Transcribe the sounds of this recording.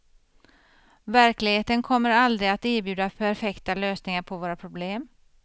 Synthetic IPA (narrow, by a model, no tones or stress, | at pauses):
væɾklɪɡheːt̪ənkʰɔmːəɾald̪ɾɪat̪eːɾbjʉ̟ːd̪apʰæɾfɛkt̪aløːsnɪŋaɾpʰɔvoːɾapʰɾʊbleːm